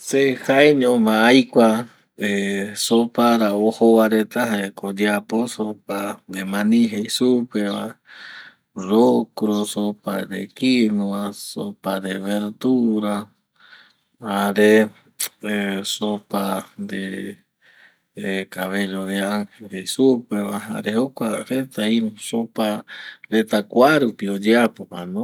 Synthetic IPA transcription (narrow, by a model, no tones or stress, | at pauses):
sehaeɲõmãajkʷa | esopaɾaohowaɾet̪aɦaekod͡ʒaposopaemãnĩɦejsupeβa | ɾokɾosopa̰ɾḛkinuasopaɾeβeɾt̪uɾa | haɾe | sopand̪e | kaβeɾodeaŋheɾesupeβaa̰ɾehokʷaɾet̪aisopaɾet̪akʷaɾupiod͡ʒeapomanõ